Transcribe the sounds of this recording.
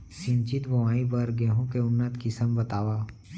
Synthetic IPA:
sɪ̃nt͡ʃɪt̪bɐʋaːibɐɾɡɛːɦũkeʊnːət̪kɪsəmbɐt̪aːʋaː

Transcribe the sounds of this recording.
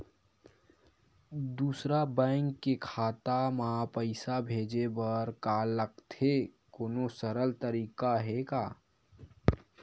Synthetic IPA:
d̪uːsɾabɛ̃ːŋkːekʰaːt̪amapəɪsabʱeːd͡ʒebəɾkaːlːəkt̪ʰekoːnosəɾəlt̪əɾiːkaɦekaː

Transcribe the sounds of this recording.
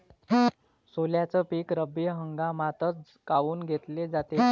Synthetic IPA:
soljat͡səpiːkɾəbiɦəŋɡamat̪ət͡s | kaʋuːnɡʱet̪led͡zat̪e

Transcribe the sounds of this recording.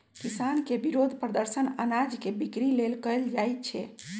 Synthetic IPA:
kisankebiɾod̪ʱpɾəd̪əɾsənənad͡ʒkebikɾilelkəjld͡ʒajt̪̚t͡ʃʰɛ̰

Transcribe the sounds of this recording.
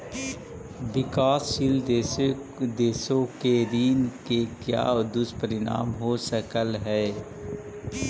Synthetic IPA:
bɪkaːsʃild̪e | d̪eːsõkeɾiːnkekja̰ːd̪ʊspəɾɪɽa̰ːmɦosəkəlɦɛː

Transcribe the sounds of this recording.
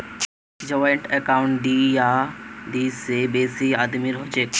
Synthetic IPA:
d͡ʑɐʋɪɳʈɛkaʊɳʈɖijaɖisebeːsiaːd̪miɾɦod͡ʑe

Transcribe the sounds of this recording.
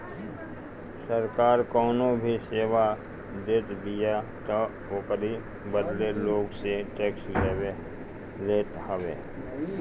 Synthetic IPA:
səɾkaːɾkɔːnobʱiseːʋa | d̪eːt̪d̪ijat̪ɔ | oːkəɾi | bəd̪leloːɡseʈeːksleːʋe | leːt̪həʋḛː

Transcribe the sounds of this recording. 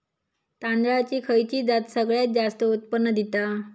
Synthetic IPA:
t̪and̪ɾat͡ɕiːkʰəjt͡ɕiːd͡zat̪səɡɭjat̪̚d͡zast̪əut̪̚pənːəd̪it̪a

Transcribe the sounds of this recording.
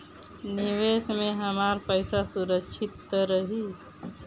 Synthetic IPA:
nɪʋeːsmẽɦəmaːɾpəɪsasuɾəkʃʰɪt̪ːɾəɦi

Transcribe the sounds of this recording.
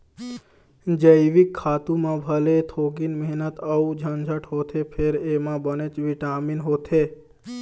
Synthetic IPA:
d͡ʒəjʋikʰːat̪ũmãbʱəlet̪ʰoɡinməɦnət̪əud͡ʒʱənd͡ʒʱəʈɦot̪ʰepʰeɾemãbənet͡ʃʋiʈaminɦot̪ʰe

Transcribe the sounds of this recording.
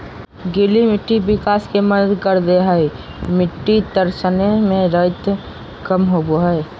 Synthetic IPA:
ɡɪlimɪʈːibɪkaːskeməd̪əd̪kəɾd̪eɦəe | mɪʈːid̪əɾsənemẽɾət̪ | kəmɦoboɦəe

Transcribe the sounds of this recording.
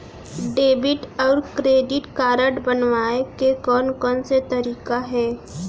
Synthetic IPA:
ɖeːbɪʈɔːɾkɾeːɖɪʈkaːɾəʈbənʋaːekekɔːnkɔːnset̪ɐɾiːkaɦɛː

